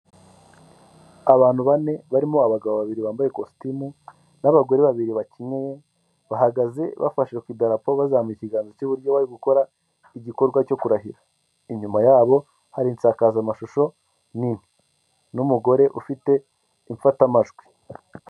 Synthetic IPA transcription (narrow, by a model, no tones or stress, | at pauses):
aβaːn̥huβane̞βaɾimoaβaɡaβoβaβiɾiβaːmbaje̞kostimu | naβaɡo̞ɾeβaβiɾiβaciɲeje | βaɦaɡaze̞βa̰faʃekwidaɾapoβazamuiciɡaːnzocuβuɾɟoβaɾiɡuko̞ɾa | iɟiko̞ɾɡwaco̞kuɾaɦiɾa | iɲumajaːβo̞ | haɾiːnt͡saːkaːzamaʃuʃo̞ | nin̥i̥ | numuɡo̞ɾe̞ʔufite̞ | iɱfatamaʒɡwi̥